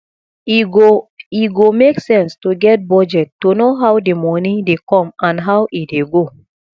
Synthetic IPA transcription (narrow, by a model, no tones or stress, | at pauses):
iɡomeksɛ̃nstuɡɛt̚bɔd͡ʒɛtːunoɦawdemɔnĩdekɔ̃mãnɦawʔit̚deɡo